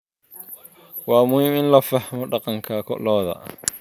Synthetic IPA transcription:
wɑːmʊhɪmɪnlɐfɐħmɔɗɑqɑŋkʰɐkʰɔ̰lɔːðɐ̰

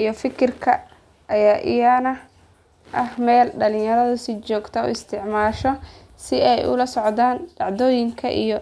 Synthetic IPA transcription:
ʔijɔfɪkʰɪrkʰɐ | ʔɐjaːʔɪjɐnɐ | ʔɐhmɛːlɖɐlɪ̃jɐɾɐðʊsɪt͡ʃɔːɡt̪ʰɐʊ̰ɪst̪ʰɪʕmaːʃɔ | sɪɛjʔʊ̰lɐsɔʕd̪aːnɖɑʕðɔːjɪŋkʰɐʔḭjɔ

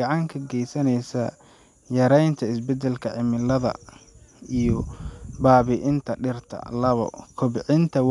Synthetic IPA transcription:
ɑʕɑŋkʰɐɡɛjsɐnɛjsɐ | jɐɾɛjnt̪ʰɐɪsbɛd̪ɛlkʰɐʕɪmɪlɐðɐ̰ | ijɔbaːβɪʔɪnt̪ʰɐɖɪrt̪ʰɐ̰lɐβɔ̰kʰʊbʕɪnt̪ʰɐw

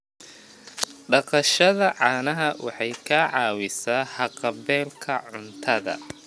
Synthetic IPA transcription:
ɖɑqɑʃɐðɐʕɑːnɐɦɐwɑ̰ħɑjkʰaʕɑːwɪsaːhɑqɑβɛːlkʰɐʕʊnt̪ʰɐðɐ̰

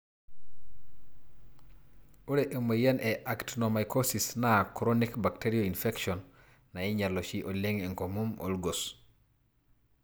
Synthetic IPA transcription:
oɾeʔemojanʔɛʔaktnomajkʰosisnakɾonikbakteɾioinfɛkʃɔnː | aɛɲalot͡ʃiʔoleŋeŋkomumo̰lɡos

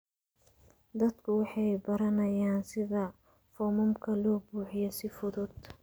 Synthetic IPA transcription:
d̪ɐd̪kʰʊwɑħɑjbɐɾɐnɐjaːnsɪðɐ | fɔːmɔmkʰɐlɔːbuːħɪjɔsɪfʊðʊd̪

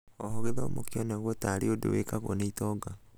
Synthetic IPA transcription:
ɔhoɣeðɔomokiɔnɛɣwɔtaːɾeodo̰wekaɣwɔneitɔɡa

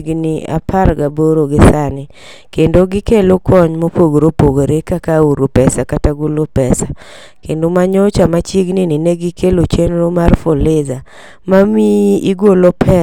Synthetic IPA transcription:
ɡnɪa̰pʰaɾɡaboɾoɡɪsanɪ | kendoɡɪkelokʰɔɲmopoɡɾopoɡoɾekakauɾopɛsakataɡolopɛsa | kendomaɲot͡ʃamat͡ʃiɡnɪnɪneɡɪkʰelot͡ʃenɾomarfolɪza | mamiiɡolopʰɛ

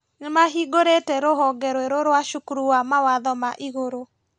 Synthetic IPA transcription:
nɪmaɦiɡoɾetɛɾoɦɔɡɛɾweɾoɾwaʃukɾuamawaðɔmaʔiɣoɾo

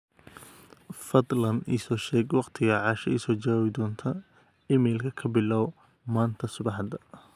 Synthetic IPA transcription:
fɐd̪lɐnḭsɔːʃɛːɡwɑqt̪ʰɪɣɐʕɑːʃɐʔisɔːt͡ʃɐwaːβɪd̪ɔːnt̪ʰɐ | ɪmɛːlkʰɐkʰɐbɪlːaːw | maːnt̪ʰɐsʊbɑħd̪ɐ

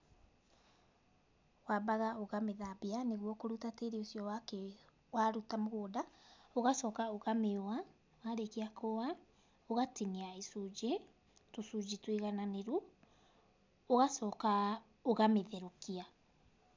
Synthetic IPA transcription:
wabaɣaoɣameðabianeɣwɔkoɾutateɾeosjɔwakɛ | waɾutamoɣoːdaoɣasɔːkaoɣameoa | waɾekiakowa | oɣatiniaesud͡ʒe | tosud͡ʒitwiɣananeɾu | oɣasɔka | oɣameðeɾokia

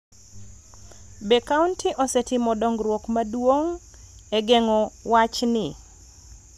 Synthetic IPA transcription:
bɛkauntʰɪʔɔsɛtɪmɔdɔŋɡɾwokmadwoŋ | ɛɡɛŋɔwat͡ʃnɪ

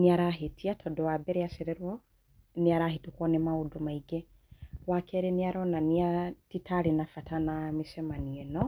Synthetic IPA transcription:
neaɾaɦetʰiatʰɔdɔwabɛɾeasɛɾɛɾwɔ | neaɾahetukwɔnɛmaudumaiɡɛ | wakʰɛɾeneaɾɔnaniatitaɾenafatanamesɛmaniɛnɔ

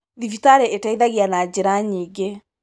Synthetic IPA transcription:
ðifitaɾɛetaiðaɣianad͡ʑeɾaɲiːɡe

